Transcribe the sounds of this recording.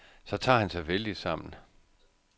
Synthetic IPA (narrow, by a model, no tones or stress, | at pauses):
sɒ̽t͡sʰɑ̰̈ːhænsɑ̈ɪʋeld̥i̥sɑ̈m̰n̩